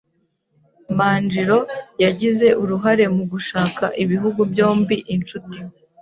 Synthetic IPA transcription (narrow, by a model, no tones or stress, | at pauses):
maːnd͡ʒiɾo̞jaɟize̞ʔuɾuɦaɾe̞muɡuʃaːkaʔiβiɦuɡubjo̞ːmbiʔint͡ʃuti